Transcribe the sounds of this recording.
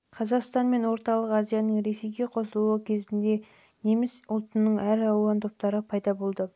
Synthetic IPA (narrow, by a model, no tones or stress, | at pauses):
qʰɑzɑqst̪ɑnme̞nwo̞ɾt̪ɑlˠəqɑzijɑnəɴɾe̞se̞jɡʲe̞qʰo̞səlˠuəkʲʰe̞zɪnd̪e̞ | ne̞mɪsʊlˠt̪ənːəɴʔæɾɑwɑnt̪ʰo̞p̚t̪ɑɾəpʰɑjd̪ɑbo̞lˠd̪ə